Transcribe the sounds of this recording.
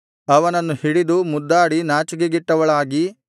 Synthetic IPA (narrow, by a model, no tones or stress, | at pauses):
ɐʋɐnɐnːuhiɽid̪umud̪ːaːɽinaːt͡ʃɐɡeɡiʈːɐʋɐɭaːɡi